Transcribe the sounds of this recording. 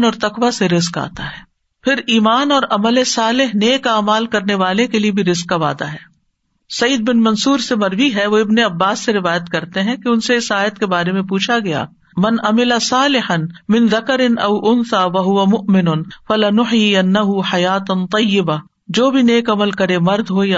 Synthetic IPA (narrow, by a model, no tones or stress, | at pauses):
nɔːɾt̪ɐkʋaseɾɪzka̰ːt̪aɦɛː | pʰɪɾiːmaːnɔːɾʔɐməlesaːlɪɦneːkaːmaːlkɐɾneʋaːlekeliebʱiɾɪzkːaʋa̰ːd̪a̰ɦɛː | sɐiːd̪̚bɪnmɐnsuːɾsemɐɾʋiɦɛʋoɪbneɐbːaːsːeɾɪʋaːjət̪kɐɾt̪eɦɛ̃keʊnseɪsaːjət̪kebaːɾemẽpuːt͡ʃʰaɡɐja̰ː | mɐnɐmɪlasaːlɪħɐnmɪ̃nðɐkəɾɪnɐʊʔʊnsaːʋɐɦʊʋɐmʊʔmɪnʊnfɐlɪnʊħjiɐnːɐɦʊħɐjaːt̪t̪ˤɐjːɪba | d͡ʒoːbʱineːkɐməlkɐɾemɐɾd̪ʱɦoj